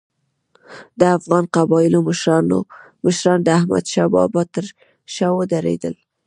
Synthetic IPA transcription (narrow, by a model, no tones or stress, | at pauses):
d̪əafɣɑnqabɑjɪloməʃɾɑno̰ | məʃɾɑnd̪əahma̰d̪ʃɑbɑ̰bɑt̪əɾ | ʃɑwəd̪aɾḛd̪ə̰l